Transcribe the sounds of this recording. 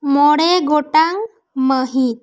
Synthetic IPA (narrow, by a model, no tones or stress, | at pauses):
mɔɽɛɡɔʈaŋ | məɦit̪̚